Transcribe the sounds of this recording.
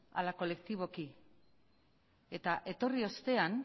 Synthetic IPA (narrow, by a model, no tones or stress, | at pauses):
a̰lako̞le̞kt̪iβ̞o̞ki | e̞t̪aʔe̞t̪o̞rio̞st̪e̞an